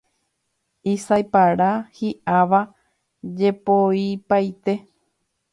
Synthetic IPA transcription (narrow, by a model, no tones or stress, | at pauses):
isajpaɾahiʔaʋa | d͡ʒepoipajt̪e̞